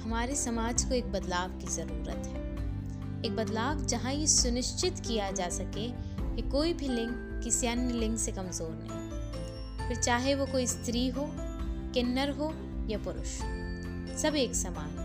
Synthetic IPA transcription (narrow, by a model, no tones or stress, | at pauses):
hɐmaːɾesɐmaːd͡ʒkoeːk̚bɐd̪laːbkizɐɾuːɾə̰t̪ɦɛː | eːk̚bɐd̪laːʋd͡ʒɐɦãjisʊnɪʃt͡ʃɪt̪kijad͡ʒaːsɐke | kikoːibʱilɪ̃ŋk | kɪsiɐnjəlɪ̃ŋksekɐmzoːɾnɐ̰ɦĩ | pɪɾt͡ʃaːɦeʋokoːist̪ɾiɦo | kɪnːəɾɦoː | japʊɾʊ̰ʃ | sɐbeːksɐmaːd͡ʒ